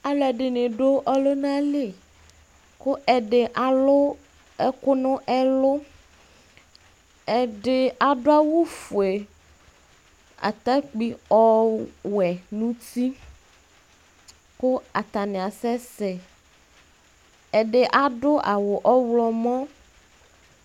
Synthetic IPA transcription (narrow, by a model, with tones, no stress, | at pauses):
a˨lɛ˨ɖɪ˨nẽ˨ɖo˦ʔɔ˦lo˦nã˦le˨ | kʊ˦ʔɛ˨ɖe˨ʔa˨lʊ˦ | ɛ˦kʊ˦nʊ̃˦ʔɛ˦lo˦ | ɛ˨ɖe˨a˨ɖʊ˦a˦wu˦fu˨e˨ | a̰˨t̪a˦k͡pi˦ɔ˦wɛ˨nũ˦t̪i˦ | kʊ˦a˨t̪a˨nẽ˨a˨sɛ˦sɛ˨ | ɛ˨ɖe˨ʔa˦ɖʊ˦ʔa˨wo˨ʔɔ˦wlɔ˨mɔ̃˦